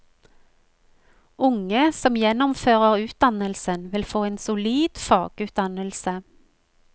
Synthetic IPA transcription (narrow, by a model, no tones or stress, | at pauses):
ʔʊŋəsɔmjɛnʊmføːʁəʁʉːt̪̚d̪ɑnəlsənʋɪlfoːeːnsʊliːd̪̥fɑːɡ̥ʉːt̪̚d̪ɑnəlsə